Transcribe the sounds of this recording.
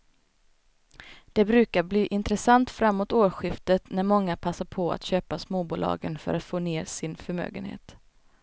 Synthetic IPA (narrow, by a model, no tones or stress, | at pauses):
d̪̥ɛbɾʉ̟ːkaɾbliːʔɪnt̪ɾɛsant̪fɾamːoːt̪oːɾɧɪft̪ət̪næɾmɔŋːapʰasːaɾpʰɔa̰t̪ɕøːpasmoːbuːlɑ̰ːɡənfœ̰ɾat̪foːneːɾsɪnfœɾmø̰ːɡə̰nhḛːt̪